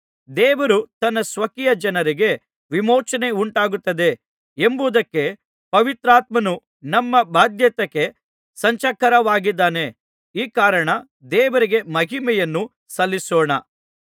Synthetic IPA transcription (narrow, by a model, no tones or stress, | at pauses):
d̪ɛːʋɐɾut̪ɐnːɐsʋɐkijɐd͡ʒɐnɐɾiɡe̞ | ʋimɔːt͡ʃɐneuɳʈaːɡut̪ːɐd̪e̞ | embuːd̪ɐkːe̞ | pɐʋit̪ɾaːt̪̚mɐnu | nɐmːɐbʱaːd̪jɐt̪ɐkːe̞ | sɐɲt͡ʃɐkːɐɾɐʋaːɡid̪ːaːne̞ | iːkaːɾɐɳɐ | d̪ɛːʋɐɾiɡe̞mɐɦimɛjɐnːu | sɐlːisoːɳɐ